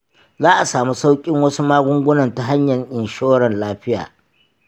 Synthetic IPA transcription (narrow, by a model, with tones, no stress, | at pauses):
zaː˦ʔa˨saː˨mu˦sa˦wkʲʼɪ˦ŋwɐ˦su˦maː˦ɡʷʊ˦ŋɡʷʊ˦nɐ˨nta˨ɦa˦ɲjɐ˨ɲʔɪ˨nʃoː˦ɽɐ˨nlaː˦ɸɪ˦ja̰ː˨